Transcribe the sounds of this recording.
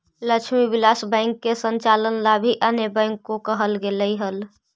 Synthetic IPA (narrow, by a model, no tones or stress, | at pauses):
lət͡ʃʰmibilasbɛ̃ɪŋkːesənt͡ʃalənlabʱiʔənebə̃ɪŋkːokəɦəlɡeləiɦəl